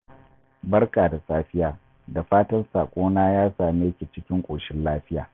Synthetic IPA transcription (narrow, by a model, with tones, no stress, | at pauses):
bɐ˦rkaː˨da˨saː˦ɸɪ˦jaː˨ | da˨ɸaː˦tɐ˦nsaː˨kʷʼoː˦naː˦jaː˦saː˨meː˦kʲeː˨t͡ʃɪ˦kʲɪ˦ŋkʷʼoː˨ʃɪ˦nlaː˦ɸɪ˦ja̰ː˨